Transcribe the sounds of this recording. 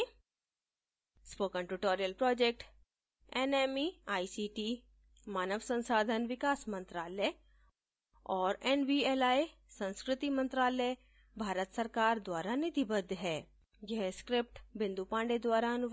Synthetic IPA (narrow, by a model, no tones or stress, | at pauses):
spoːkə̃ɳʈuʈoːɾijəlpɾɔːd͡ʒeːk̚ʈ | ɛneːmiaːisiːʈiː | maːnəʋsə̃nsaːd̪ʱənʋɪkaːsmɐ̃nt̪ɾaːlɛ | ɔːɾɛnʋieːlaːe | sə̃nskɾɪt̪imɐ̃nt̪ɾaːlɛ | bʱaːɾət̪sɐɾkaːɾd̪waːɾanɪt̪ibəd̪ʱːɦɛː | jeɦskɾɪp̚ʈbɪ̃nd̪upãːɳɖed̪waːɾaɐnʊ